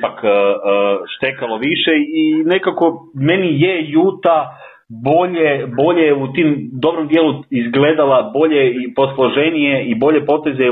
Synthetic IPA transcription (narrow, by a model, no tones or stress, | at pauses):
pakː | ʃt̪ekalo̞ʋiʃeine̞kako̞me̞nijejuːt̪a | bo̞ʎebo̞ʎeut̪imd̪o̞bɾomd̪jeːluizɡle̞d̪alabo̞ʎe̞ipo̞slˠo̞ʒe̞nijeibo̞ʎe̞po̞t̪e̞ze